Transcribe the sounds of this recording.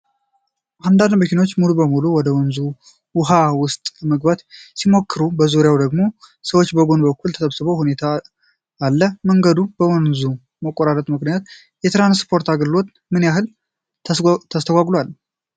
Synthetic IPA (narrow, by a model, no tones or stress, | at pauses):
ʔand̪and̪bəkʰino̞t͡ʃːmulubəmuluwɔd̪əwɔnzu | wʊɦawʊst̪ʼməɡbat̪simo̞kːɨɾubəzuɾjawd̪əɡmo̞səwot͡ʃːbəɡo̞nbəkʰːult̪ʰət̪ʰəβsɨβəwhune̞t̪ʰaː | lːəməŋɡəd̪ub̥əwɔnzu | məkʼːoɾaɾət̪ʼmɨknijat̪̚ | jɛt̪ɾanspʰo̞ɾt̪ʰaɡlɨlo̞t̪ | mɨnjaɦɨlʰ | t̪ʰːəst̪ʰəɡʷaɡlwal